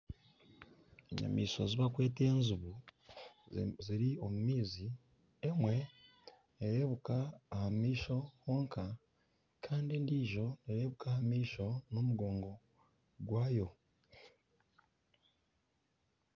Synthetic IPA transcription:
eɲa̰miːso̞̰ziβakwe̞ːte̞ːnzuβu | ziɾio̞mumiːzi | emwe̞ | neɾe̞ːβukaːhamiːʃo̞ho̞ːŋka | kʰaːndindiʒo̞neɾe̞ːβukahamiːʃo̞no̞muɡo̞ːŋɡo̞ | ɡwaːjo̞

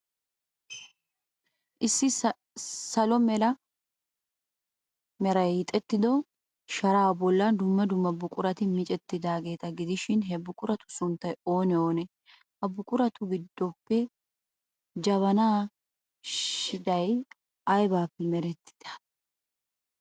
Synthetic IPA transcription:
ʔɪsːɪ | sɐlɔmɛlɐ | mɛɾɐjɪt̪ʼɛt̪ːɪd̪ɔ | ʃɐɾaːbɔlːɐnd̪ʊmːɐd̪ʊmːɐbʊkʼʊɾɐt̪ɪmɪt͡ʃʼɛt̪ːɪd̪aːɡe̞ːt̪ɐɡɪd̪ɪʃɪnɦɛbʊkʼʊɾɐt̪ʊ̥sʊnt̪ːɐjo̞ːnɛoːnɛ | hɐbʊkʼʊɾɐt̪ʊɡɪd̪ːɔpːɛ | d͡ʒɐβɐnaː | ʃɪd̪ɐj | ʔɐjbaːpːɛmɛɾɛt̪ːɪ̥d̪̥ɐ̥

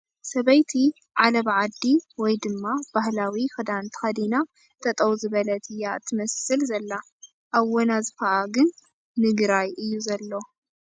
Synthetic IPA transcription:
sɐβɐjt̪ʰi | ʕalɐβʕad̪ːiwɔjd̪ɨmːabahlawixɨd̪ant̪ʰɨ̥xɐd̪ina | t̪ʰɐt̪ʼɐwzɨβɐlɐt̪ʰɨjːaɨ̰t̪ʰːɨmɐsɨlzɐlːa | ʔaβwonazɨfɐʔaɡɨnː | ɨɡɾajɨjːuzɐlːo̞

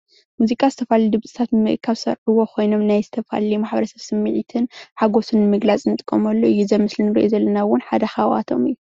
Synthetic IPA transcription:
muzikʼazɨt̪ʰɐfalid̪ɨβt͡sʼɨ̥t̪ʰat̪nɨmɨʔkʰaβsɐ̰ɾʕɨwo̞kʰʷo̞jno̞mnajzɨt̪ʰɐfa̰limaħbɐɾɐsɐβsɨmːiʕit̪ʰɨnħaɡo̞sɨnːɨmɨɡlat͡sʼnɨt̪ʼɨkʼːɐmɐlːoʔɨjːuzɐmɨslinɨɾḭʔozɐlːɐnawʊnħad̪ɐxawa̰t̪ʰo̞̰mɨjːu

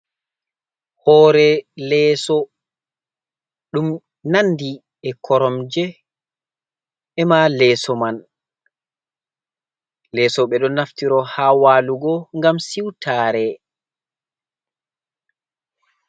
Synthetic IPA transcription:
hɔːɾɛlɛːsɔ | ɗum | nandi | ɛkʰɔɾɔmd͡ʒɛ | ɛmalɛːsɔman | lɛsɔɓɛɗɔnaftiɾɔhaːwaːluɡɔŋɡamsiwtʰaːɾɛ

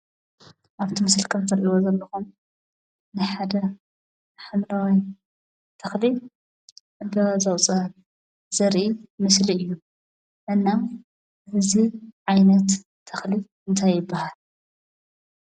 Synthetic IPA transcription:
ʔaβt̪ʰimɨsɨlkʰɐmt̪ʰɐɾʔiwozɐlːɐxum | nɨħad̪ɐ | ħɨmɾawi | t̪ʰɐxli | ɨbɐzɐwt͡sʼɐhɐl | z̥ɐɾʔimɨsliɨjːu | ʔɨnːa | ɨziʕajnɐt̪ʰː | ɐxli | ɨnt̪ʰajːɪbːahal

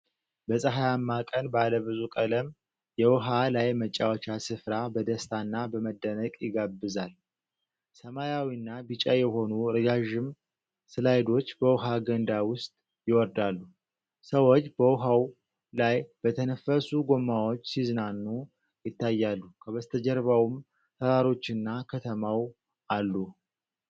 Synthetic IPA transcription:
bəsʼəɦajamːakʼənbaləβɨzukʼələm | jɛwɔɦalajmət͡ʃʼːawət͡ʃasɨfɾabəd̪əst̪ʰanːabəməd̪ːənəkʼjɪɡabːɨzal | səmajawiɨnːabit͡ʃʼajɛɦo̞nuɾɨɡaʒɪm | sɨlajd̪o̞t͡ʃːbəwɔɦaɡənd̪awʊst̪ʼ | jɪwɔɾd̪alːu | səwot͡ʃːb̥əwʊɦaw | lajb̥ət̪ʰənəfːəsuɡo̞mːawo̞t͡ʃːsizɨnanːu | jɪt̪ːajːalːukʰəβəst̪ʰəd͡ʒəɾβawum | t̪ʰəɾaɾo̞t͡ʃːɨnːakʰət̪ʰəmaw | ʔalːu

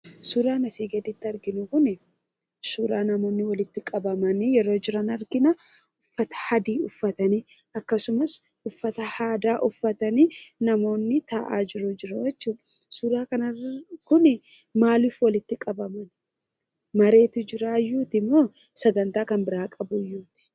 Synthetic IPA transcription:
suːɾaːnɐsiːɡɐd̪ɪt̪ːɪɐɾɡɪnʊkʊnɪ | suːɾaːnɐmo̞ːnːɪwɐlɪt̪ːɪkʼɐbɐmɐnɪjɛɾo̞ːd͡ʒɪɾɐnɐɾɡɪnɐ | ʊfːɐt̪ɐ̥hɐd̪iːʊfːɐt̪ɐni | ɐkːɐsʊmɐs | ʊfːɐt̪ɐhaːd̪aːʔʊfːɐt̪ɐninɐmo̞ːnːɪt̪ɐʔa̰ːd͡ʒɪɾʊd͡ʒɪɾɐwɛt͡ʃːuːᶑɐ | suːɾaːkɐnɐkʊnɪ | maːlʊfwɐlɪt̪ːɪkʼɐbɐmɐn | mɐɾe̞ːt̪ʊd͡ʒɪɾaːjuːt̪ɪmːo̞ː | sɐɡɐnt̪aːkɐnbɪɾaːkʼɐbʊjːuːt̪ɪ̥

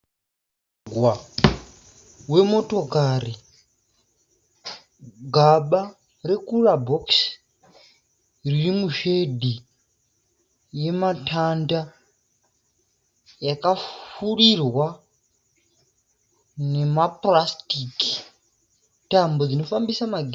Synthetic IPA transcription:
ɡwa | we̞mo̞to̞kari | ɡʱaɓa | re̞kurabʱoks | ririmuʃe̞dʱi | je̞matʰanda | jakafurirwa | ne̞maprastiki̥ | tambod͡zino̞fambisamaɡ

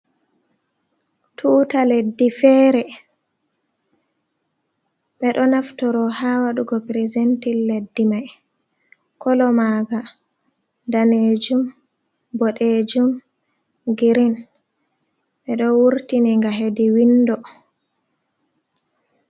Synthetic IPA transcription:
tʰuːtaledːifɛːɾɛ | ɓɛɗɔnaftɔɾɔhawaɗuɡɔpɾezentilːedːimaj | kʰɔlɔmaɡa | daneːd͡ʒum | bɔɗed͡ʒum | ɡiɾin | ɓɛɗɔwuɾtinɛŋɡaɦediwindɔ

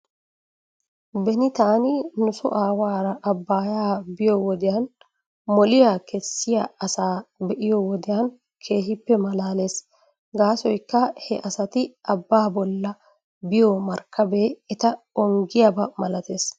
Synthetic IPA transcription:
bɛnɪt̪aːnɪnʊsʊ̰ʔaːwaːɾɐʔɐbːaːjaːbɪjowɔd̪ɪjaːn | mɔlɪjaːkɛsːɪjaɐsaːbɛʔɪjowɔd̪ɪjaːn | kʰe̞ːhɪpːɛmɐlaːle̞ːs | ɡaːsɔjkːɐhɛʔɐsɐt̪ɪʔɐbːaːbɔlːɐ | bɪjomɐɾkːɐbe̞ːɛt̪ɐ | ɔŋɡɪjabɐmɐlɐt̪eːs

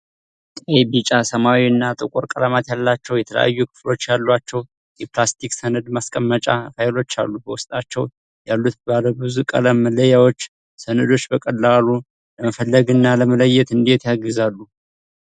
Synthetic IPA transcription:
t̪ʼejbit͡ʃʼasəmawiɨnːat̪ʼɨkʷʼoɾkʼəlamat̪jalːat͡ʃːɛwjɛt̪ʰələ̰ja̰jːukʰɨ̥flo̞t͡ʃːjalːwat͡ʃːɛw | jɛplast̪ʰiksənəd̪maskʼəmːət͡ʃʼafajlo̞t͡ʃːa̰lːubəwʊst̪ʼat͡ʃːɛw | jalːut̪baləwbɨzukʼə̰ləmːələjawo̞t͡ʃː | sənəd̪o̞t͡ʃːbəkʼəlːalu | ləməfəlːəɡɨnːaləmələjːɛt̪ɨnd̪e̞t̪jaɡɨzalːu

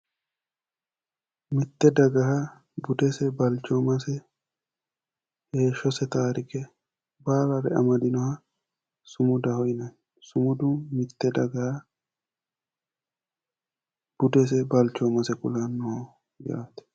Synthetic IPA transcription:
mɪt̪ːɛd̪ɐɡɐɦɐ | bʊd̪ɛsɛbɐlt͡ʃːoːmɐsɛ | heːʃːɔsɛt̪aːɾɪkɛ | baːɾɐɾɛɐ̰mɐd̪ɪnɔhɐ | sʊmʊd̪ɐhɔjnɐn | sʊmʊd̪umɪt̪ːɛd̪ɐɡɐhɐ | b̥ʊd̪ɛs̬ɛbɐlt͡ʃomɐsɛkʊlanːoː | ja̰ːt̪ɛ̥

